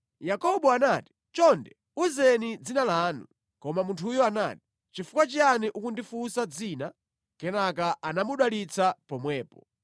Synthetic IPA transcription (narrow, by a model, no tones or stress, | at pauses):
jakɔɓɔanaːti̥ | t͡ʃɔndɛ | uzɛnid͡zinalaːnu | kɔmamuntʰujɔana̰ːti̥ | t͡ʃifukwat͡ʃianiʔukundifusad͡ziːna | kɛnak̬aʔanamuɗwalit͡sʰapɔmwɛːpɔ